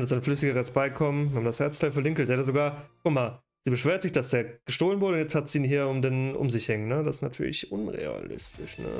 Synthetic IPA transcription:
ndəzʔaɪnəflʏsɪɡəʁɛsb̥aɪkʰɔmənhaːbmndashɛɐt͡stʰaɪlfɛɐlɪŋkl̩tjaːdɐzoɡaːɐkʊmaː | z̥iːbəʃv̥eːɐtz̥ɪçd̥asd̥eːɐɡ̥əʃtoːlənvʊɐɾəʊnjɛt͡sthatz̥iːnɦiːɐʊmdenʔʊ̰mzɪçhɛŋnːəd̥asɪ̥snatʰyːɐlɪçʔʊnʁḛa̰lɪ̰stʰɪʃnə̰

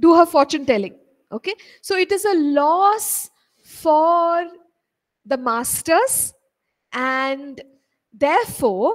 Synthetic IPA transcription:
ɖuːɦəɾfɔːɾt͡ʃũnʈɛlɪ̃ŋ | ʔoːke | soːɪʈɪzəlɔːs | fɔɾ | d̪əmaːsʈəɾz | ʔæ̃ɳɖ | d̪ɛːɾfɔːɾ

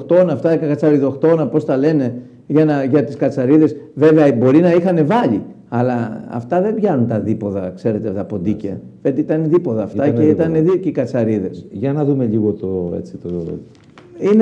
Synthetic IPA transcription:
xt̪o̞nɐːft̪ɐkɐkɐt͡sɐɾiðoxt̪o̞nɐpo̞st̪ɐle̞ne̞ | ʝɐnɐʝɐt̪iskɐt͡sɐɾiðe̞sve̞veɐbo̞ɾinɐixɐne̞vɐʎi | ɐlɐɐ̰ft̪ɐðe̞bʝɐnunt̪ɐðipo̞ðɐkse̞ɾe̞t̪et̪ɐpo̞d̪icɐ̰ | fet̪iit̪ɐnðipo̞ðɐːfɐc̪eit̪ɐneðiɾcikɐt͡sɐɾiðe̞sʝɐnɐðume̞ʎiɣot̪oḛt͡sit̪o | in

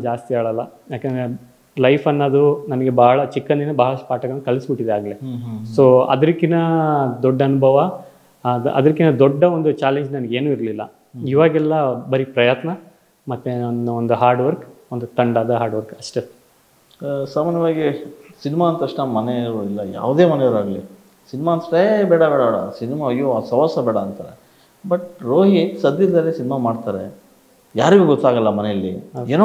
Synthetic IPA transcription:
d͡ʒaːst̪iaːɭɐlːɐjaːkːɐnd̪ɾe | lɐjpʰɐnːɐd̪unɐnɐɡe̞baːɐɭɐt͡ʃikːɐnd̪inɐbaːɭɐspaːʈɐɡɐnːukɐɭisbiʈːid̪eaːɡɐlesoːɐ̰d̪ɐɾikːinɐd̪ɔɖːɐɐnubʱɐʋɐ | ɐ̰d̪ɐɾikːinɐd̪ɔɖːɐond̪ut͡ʃaːleɲd͡ʒnɐnɐɡe̞ːnuːiɾɐlilːɐ̰ | iʋaːɡɛlːɐbɐɾipɾɐjaːt̪nɐ | mɐt̪ːenuond̪uɦaːɾɖʋɐɾkond̪ut̪ɐɳɖaːd̪ɐɦaːɾɖʋɐɾkɐʂʈe | saːmaːnjɐʋaːɡisinimaːnt̪ɐʂʈɐmɐneɾuilːɐja̰ːʋd̪eːmɐnejɐɾaːɡli | sinimaːnt̪ɐʂʈebɛːɽɐbɛːɽɐbɛːɽɐ̰sinimaɐjoɐsɐʋasɐbɛːɽɐɐnt̪a̰ːɾḛ | bɐʈɾoːɦisɐd̪iɾd̪ɐlːisinimamaːɖt̪aːɾe | jaːɾiɡuɡɔt̪ːaːɡɐlːɐmɐneɐlːḭeːno

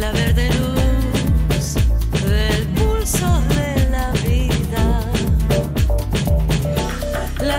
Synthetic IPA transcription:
laβeɾðelu | sðelpulsoðelaβiða | la

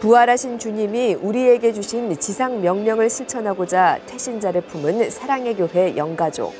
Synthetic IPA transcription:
puaɾaɕʰint͡ɕuɲimiuɾie̞ɡe̞d͡ʑuɕʰint͡ɕisʰaŋmjʌŋmjʌŋɯɭsʰɯɭt͡ɕʰʌnɦaɡod͡ʑatʰe̞ɕʰind͡ʑaɾɯpʰumɯnsʰaɾaŋe̞ɡjoɦe̞jʌŋɡad͡ʑo̰

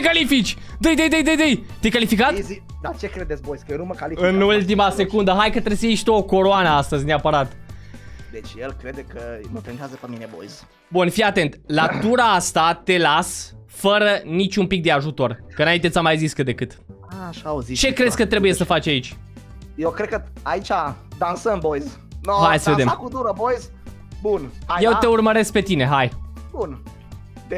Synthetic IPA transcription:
t͡ʃekalifit͡ʃʲ | d̪əjd̪əjd̪əjd̪əjd̪əjt̪ejkalifikat̪i | d̪at͡ʃekɾed̪et̪sbojskəjenuməkaliɨnult̪̬imase̞kund̪əɦajkət̪ɾesəjiʃt̪oːko̞ɾoanəast̪əzʲneapəɾat̪ | d̪et͡ʃʲjelkɾed̪ekəməpɾent̪eazəpəminebo̰jz | bunfijat̪e̞nt̪lat̪uɾaast̪at̪e̞las | fəɾənit͡ʃʲumpik̚d̪e̞aʒut̪o̞rkəɨnaint̪e̞tsamajziskəd̪e̞kɨt̪ | aʃawzit͡ʃe̞kɾe̞sʲkət̪ɾe̞buje̞səfat͡ʃʲait͡ʃʲ | jewkɾed̪̚kəait͡ʃʲad̪ansənbojz | noɦajsəved̪emkud̪uɾəbojz | bunajeeurməɾe̞sk̚pe̞t̪ine̞ɦajb̥un | d̪e

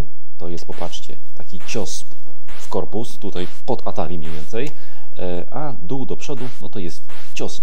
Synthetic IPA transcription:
t̪ɔjɛst̪̚pɔpat͡ʂt͡ɕɛ̰ | t̪akʲit͡ɕɔs | fkɔɾpust̪ut̪ajpɔd̪at̪alʲimʲɲevʲɛnt̪sɛj | ʔa | d̪uwd̪ɔpʂɔd̪unɔt̪ɔjɛst̪ | t͡ɕɔs

